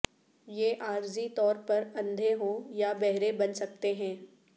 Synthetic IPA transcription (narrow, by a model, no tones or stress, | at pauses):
jeːʔaːɾzit̪ɔːɾpɐɾɐ̃nd̪ʱeɦõjabɛɦɾebɐnsɐk̚t̪eɦɛ̃ː